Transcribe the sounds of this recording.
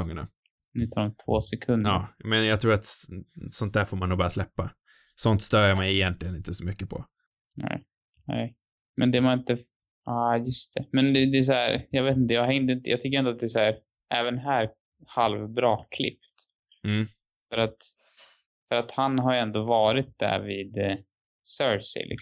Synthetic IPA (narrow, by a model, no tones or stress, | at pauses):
ɔŋːəna̰ | nʉ̟ːt̪ʰɑːɾɔmt̪ʰvo̰ːsɛkʰɵnd̪ɑːmɛnjɑt̪ʰɾuːɾat̪sɔnt̪̚d̪æːɾfoːɾmanːuːɡbɑːɾaslɛpːa | sɔnt̪st̪œɾjaɾmajɛjɛnt̪ʰlɪɡənɪnt̪əsɔmʏkːəpʰɔ̰ | nɛ̰ɪ | nɛ̰ɪ | mɛnd̪ɛmanɪnt̪ə | ɑːjɵst̪ʰɛmɛnɛd̪ɛs̬æːɾjɑɡveːt̪ɪnt̪əjɑːaɾɪnd̪ɪnt̪əjɑːt̪ʏkːəɾɪnat̪̚d̪ɛsæːɾ | ʔæːvənɦæːɾ | halvbɾɑːkʰlɪ̰pt̪ | m̩ː | fœɾat̪ | fœɾat̪hanɦaɾjɛnd̪ovɑːɾɪt̪̚d̪æ̰ɾviːd̪ | sœsɪ̰lʔɪ̰k